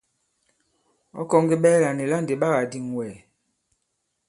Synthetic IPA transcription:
ɔ̰˦kɔ˦ŋɡe˦ɓɛː˦la˨ne˨la˦˨nde˨ɓa˦ɣa˨di˨ŋwɛː˨

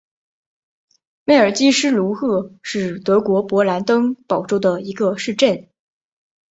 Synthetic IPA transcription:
me˥˩ɪə˞˨˩t͡ɕi˥ʂɻ̩˥lu˧˥xɤ˥˧ʂɻ̩˥˩t̪ɤ˧˥kwɔ˧˥pwɔ˧˥la˧˥nt̪ɤ˥ŋpɑ˨˩ʊʈ͡ʂo˥˩ʊd̪ə˩i˧˥ɡə˧ʂɻ̩˥˧ʈ͡ʂə˥˩n

